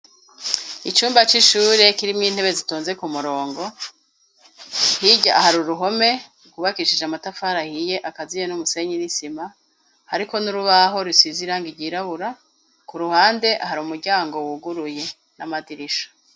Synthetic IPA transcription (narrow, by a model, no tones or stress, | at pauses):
it͡ʃuːmbat͡ʃiʃuːɾe̞kiɾimŋiːn̥he̞βe̞zituːnze̞kumuɾo̞ːŋɡo̞ | hiɟaahaɾuɾuɦo̞me̞ | ukuβakiʃid͡ʒamatafaːɾahije̞ʔakazijenumuse̞ɲinisima | haɾiko̞nuɾuβaɦo̞ɾiswiziɾaːŋɡiɾɟiːɾaβuɾa | kuɾuhaːnde̞ʔaɦaɾumuɾɟaːŋɡo̞wuɡuɾuje̞ | namadiɾiʃḁ